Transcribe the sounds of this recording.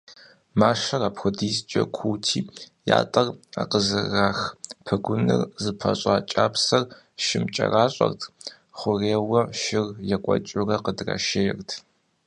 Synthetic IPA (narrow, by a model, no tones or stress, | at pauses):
maːʂɐraːpxʷʊdiːst͡ʃʼɐkʷʰuːtʰiːja̰ːtʼɐra̰qəzɨɣaːxpʰɐɡʷʊnɨ̰rzɨpʰɐ̰ɕʼaːt͡ʃʼaːpsɐr | ʃɪmt͡ʃʼɐ̰raːɕʼɐrtʰ | χʷʊreːwɐʃɪrjɛkʷʼɔ̰t͡ʃʼʊrɐqədrɐ̰ʃejrtʰ